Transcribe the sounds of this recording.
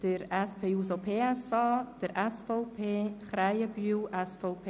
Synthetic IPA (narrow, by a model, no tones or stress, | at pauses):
d̥əɾɛspʰeːuːsopʰeːɛsɑːd̥əɾɛsfɔwpʰeːχɾajəbyyːwʔɛsfowpʰe